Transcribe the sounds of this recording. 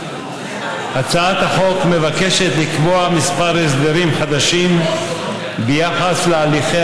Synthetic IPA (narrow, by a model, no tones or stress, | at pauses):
hat͡saat̪haχo̞kme̞vake̞ʃet̪likboamispaɾes̬d̪eʁimχad̪aʃim | bejaχaslealiχe